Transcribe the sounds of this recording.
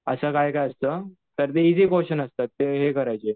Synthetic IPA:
əsəːkajkajəst̪əː | t̪əɾt̪eid͡ziːkoɕənəst̪at̪ːeɦekəɾajt͡ɕe

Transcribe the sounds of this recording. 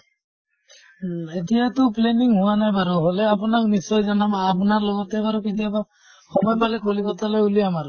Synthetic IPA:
etijat̪ʊpleniŋɦʊwanajbaɾɔɦɔlɛapunak̚nisɔjzanabaːpʊnaɹlɔɡɔtɛbaɾɔkitiaba | xɔmɔjpalɛkolikɔt̪ʰalɔjuliamaɾ

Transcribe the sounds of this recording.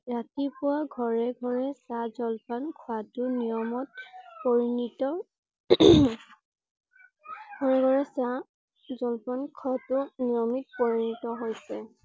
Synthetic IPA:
ɹatipʊwaɡʱɔɹɛɡʱɔɹɛsazɔlpɔnkʰʊatʊnijɔmɔt̚poɹinitɔ | ɡʱɔɹɛɡʱɔɹɛsa | zɔlpɔnkʰatʊnijɔmit̚pɔɹinitɔɦojsɛ

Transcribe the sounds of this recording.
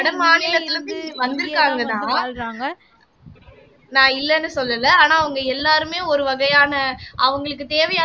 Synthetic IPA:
ɐɽɐmaːnɪlɐt̪ːɪlɐɪʋɐnd̪ɪɾɯkːaːŋɡɐt̪ãːɾaːŋɡɐ | nãːɪlːɛnːɯsɔlːɐlɐaːnãːɐʋɐŋɡɐɛlːaːɾɯmeːɔɾɯʋɐɣɐjaːnɐʔɐʋɐŋɡɐɭɯkːɯt̪eːʋɐjaː

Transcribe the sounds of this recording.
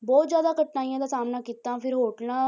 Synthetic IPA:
bɔːt̪zjaːd̪aːkəʈnaːijãːd̪aːsaːmnaːkiːt̪ːãːpʰɪɾɦoːʈnã

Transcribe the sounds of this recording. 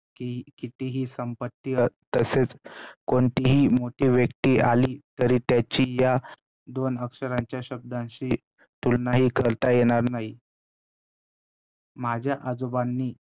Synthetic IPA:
kikit̪iɦiːsəmpət̪ːiːət̪əset͡skoɳʈ̪iɦiːmoʈiːʋjəkt̪iːʔaliːt̪əɾiːt̪jat͡ɕija | d̪onəkʂəɾaɲt͡ɕjaɕəb̚d̪ʱãnɕiː | t̪ulnaɦiːkəɾt̪ajeɽ̃aɾnaɦi | m̤ad͡ʑʱjaʔad͡zobanːiː

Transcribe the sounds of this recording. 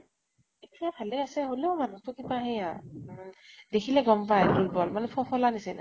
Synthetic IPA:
etiabʱalɛasɛɦoleʊmanutʊkibaɦɛ̃a | dekʰilɛɡɔmpajdulbɔlmanɛpʰɔpʰɔlanisɛna̰

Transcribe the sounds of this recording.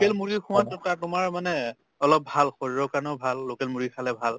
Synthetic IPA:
kelmuɹikʰʊ̃watɔkatʊmaɹmanɛ | ɔlɔp̚bʱalxoɹiɹɔkaɹnɔʊbʱalːokɛlmuɹikʰalɛbʱal

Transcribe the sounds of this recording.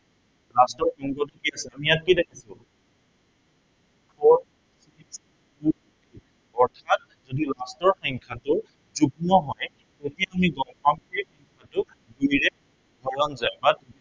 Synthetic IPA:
lastɔɹkɔŋɡɔt̬ʊkiasɛamijat̚kidekʰisʊ̃ | kʰɔɹ | siis | ku | i | ɔɹtʰat̚ | zodilastɔɹxɔŋkʰatʊ | zuk̚nɔɦɔj | tetijaamiɡɔŋpamkoɹixɔŋkʰatʊ | ɡujɹɛ | dʱɔjɔnzajbat̚

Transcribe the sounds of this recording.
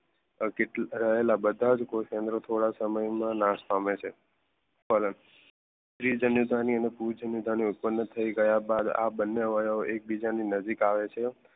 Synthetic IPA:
keʈɾəɦelabəd̪ʱad͡ʒkokẽnd̪ɾot̪ʰoɽasəməjmãnãspamet͡ʃʰe | fələn | ʃɾid͡ʒənud̪ʱaniənepuɾd͡ʒənud̪ʱaniʊt̪̚pənːət̪ʰːəiɡəjabad̪a̰bənːjaʋəjaoʔek̚bid͡ʒaninəd͡ʒikaʋet͡ʃʰe

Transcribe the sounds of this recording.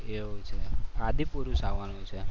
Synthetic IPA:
eɦojt͡ʃʰead̪ipuɾusaʋanut͡ʃʰe

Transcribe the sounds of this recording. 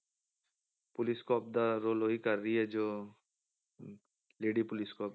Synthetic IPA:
pʊlɪskɔːp̚d̪aɾoːloːikəɾːəiɦɛd͡ʒoː | leːɖipʊlɪskɔːp̚

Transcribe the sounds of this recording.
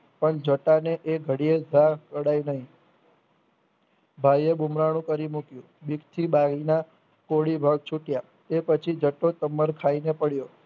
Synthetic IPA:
pəɳd͡ʒəʈaneʔeɡʱəɽied͡ʒʱakəɽajnəɦĩ | bʱajebumɾaɽ̃ũkəɾimukjũbikt̪ʰibaɡina | koɽibʱaɡ̚t͡ʃʰuʈja | t̪epət͡ʃʰid͡ʒəʈːot̪əməɾkʰainepəɽjo

